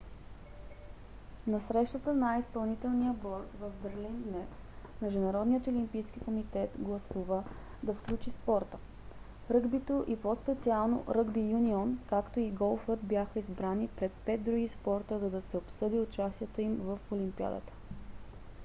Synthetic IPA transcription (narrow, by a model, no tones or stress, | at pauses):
nɐsɾɛʃt̪ət̪ənajispɐlˠnit̪ɛlˠnijəbɔɾt̪vɐvbɛɾlind̪nɛs | mɛʒd̪unɐɾɔd̪nijət̪olimpijsk̟ikomit̪ɛt̪ɡlˠɐsuvə | d̪ɐfklʲut͡ʃispɔɾt̪ə | ɾɤɡbit̪oʔipospɛt̪sialˠno̰ɾɤɡbijuniɔnkakt̪oiɡɔlˠfət̪bʲjaxəizbɾanipɾɛt̪̚pɛd̪̚d̪ɾuɡispɔɾt̪əzɐd̪ɐsɛopsɤd̪iʊt͡ʃast̪iɛt̪oimvɐfolimpia̰d̪ə̰t̪ə̥